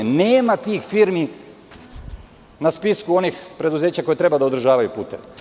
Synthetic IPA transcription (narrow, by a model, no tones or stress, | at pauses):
neːmat̪iːxfiɾmi | naspiskuo̞nixpɾe̞d̪uze̞ːt͡ɕako̞jet̪ɾe̞bad̪aod̪ɾr̩ʒaːʋajupuːt̪ḛʋe